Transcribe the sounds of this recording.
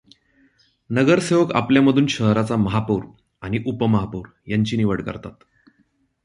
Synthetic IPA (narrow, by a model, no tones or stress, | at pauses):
nəɡəɾseʋəka̰pljaməd̪ʱuːnɕəɦɾat͡saməɦapuːɾ | aɽ̃iʔupəməɦapuːɾ | jaɲt͡ɕiːniʋəɽkə̰ɾt̪at̪